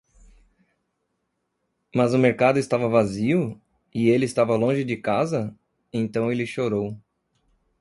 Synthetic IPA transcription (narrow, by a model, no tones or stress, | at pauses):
mɐzʊmeɾkad̪ʊɪst̪avɐvaziʊ | ɪelɪːst̪avɐlõʒɪd͡ʒɪkazɐ | ẽnt̪ɐ̃w̃elɪʃoɾow